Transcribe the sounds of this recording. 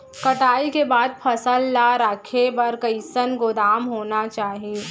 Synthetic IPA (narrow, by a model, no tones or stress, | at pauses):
kɐʈaːikebaːd̪̚pʰɐsəlːaɾakʰebɐɾkɐɪsənɡʊd̪aːmɦoːnat͡ʃaːɦieː